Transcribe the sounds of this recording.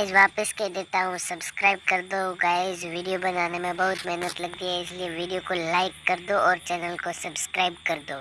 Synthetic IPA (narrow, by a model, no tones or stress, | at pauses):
ɛːd͡ʒʋaːpəsked̪eːt̪aɦũsɐbskɾaːɪb̚kɐɾd̪oɡaɪsʋiːɖijobɐnaːnemẽbɐɦʊt̪mɪɦnət̪lɐɡ̚t̪iɦɛɪslieʋiːɖijokolaːɪkːɐɾd̪oɔːɾt͡ʃɛːnəlkosɐbskɾaːɪbkɐɾd̪oː